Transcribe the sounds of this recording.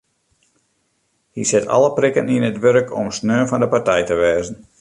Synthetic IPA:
hisɪtʰɑ̰lˠəprɪkəninətʋøɾəkʰɔ̰msnøːnfɑndəpartɛjtəʋɛːzən̩

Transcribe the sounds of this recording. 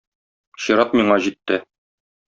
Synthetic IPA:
ɕɤ̆ɾɑpmiɴɑʑit̪ːɘ

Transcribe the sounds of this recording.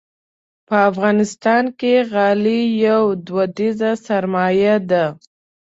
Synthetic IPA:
pəafɣɑnɪst̪ɑnkeɣɑlijawd̪wad̪izasaɾmɑjad̪a

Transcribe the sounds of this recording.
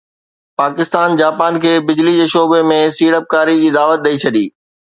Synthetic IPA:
paːkɪst̪aːnd͡ʑaːpaːnkʰeːbɪd͡ʑlid͡ʑeːʃoːbemẽsiːɽəp̚kaːɾid͡ʑiːd̪aːʋət̪̚ɗɐit͡ɕʰɐɗiː

